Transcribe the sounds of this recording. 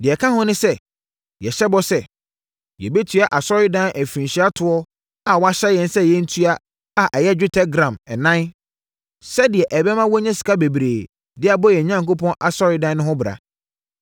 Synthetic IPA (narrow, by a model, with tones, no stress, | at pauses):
dɪ˨ɛ˨kʰã˦hʊ̃˦nʊ̃˦sɛ˦ | jɛ˨ɕɛ˦bɔ˦sɛ˦˨ | jɛ̰˨be˦tʰɥa˨ʔa˨sɔ˦ɾɪ˦dã˦næ˨fĩ˨n˨ɕi˦a˦tʰʊ˨ɔ˦ | a˨wɔ˨˦a˦ɕɛ˦jɛ̃˨n˦sɛ˦jɛ˦n̩˦tʰu˦a˦ | a˨ʔɛ˨jɛ˦d͡ʑᶣʊ˦tʰɛ˦ɡɾã˨mɛ˨nã˦n | sɛ˦dɪ˨ɛ˨ʔɛ˨bɛ˦mã˦wɔ˦ɲɛ̃˦si̥˨kʰa˦be˨bɾeː˨ | dɪ˦a˨bɔ˦jɛ˨ɲã˦ŋko˦pʰɔ̃˦nʔa̰˨sɔ˦ɾɪ˦dã˦nː˦ʊ̃˦ɦʊ̃˦bɪ˨ɾa̰˨